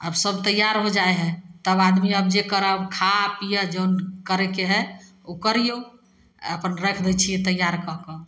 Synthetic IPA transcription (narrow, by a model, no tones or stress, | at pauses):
ə̰bsəbt̪əjːaɾɦod͡ʒaeɦɛ̃t̪əbad̪miəbd͡ʒekəɾəbkʰapijəd͡ʒonkəɾɛkeɦɛ | okəɾijo | ə̰pənɾəkʰd̪ɛjt͡ʃʰiɛt̪əjːaɾkəkə